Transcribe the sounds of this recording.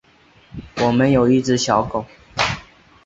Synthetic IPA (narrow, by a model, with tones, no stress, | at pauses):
wɔ˨˩mə˧˦njo˨˩ʊi˥˧ʈ͡ʂɻ̩˥˩ɕjɑ˨˥ʊko˨˩˦